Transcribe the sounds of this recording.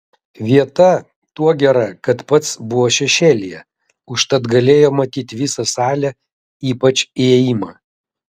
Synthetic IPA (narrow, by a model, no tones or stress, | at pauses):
ʋʲiɛt̪ɐ | t̪uɔɡʲɛɾɐkɐt̪pɐt̪sbʊʋoːʃʲɛʃʲeːlʲɪjɛ̰ | ʊʃt̪ɐt̪ɡɐlʲeːjoːmɐt̪ʲiːt̪ʲʋʲɪsɐsɑːlʲɛ | iːpɐt͡ʃʲiɛjimɑː